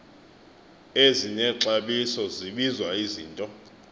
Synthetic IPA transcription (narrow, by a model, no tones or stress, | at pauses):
eziɲɛǁaɓisɔziɓizwaiziːntʼɔ